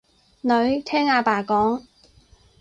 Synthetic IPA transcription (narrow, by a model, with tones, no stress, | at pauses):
nɵ˨˧˥ɥt̪ʰɛː˥ŋaː˧paː˨˩kɔː˨˥ŋ